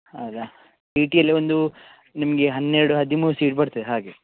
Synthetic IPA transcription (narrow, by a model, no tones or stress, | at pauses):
hɐwd̪ɐ | piːʈijɐlːiʋond̪u | nimɐɡe̞ɦɐnːeɾɐɽuɦɐd̪imuːɾusiːʈ̚bɐɽt̪id̪ɦaːɡe